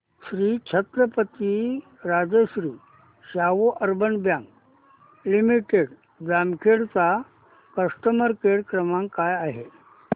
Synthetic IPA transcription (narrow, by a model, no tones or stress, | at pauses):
ɕɾiːt͡ɕʰət̪ɾəpət̪i | ɾad͡zəɕɾiː | ɕaʋoʔəɾbənbjãŋɡ | limiʈeɽ | d͡zamkʰeɽt͡sa | kəsʈəməɾkeɽkɾəmãŋkajaɦe